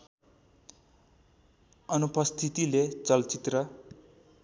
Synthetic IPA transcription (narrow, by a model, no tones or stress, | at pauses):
ʌnupʌst̪ʰit̪ilet͡sʌlt͡sit̪rʌ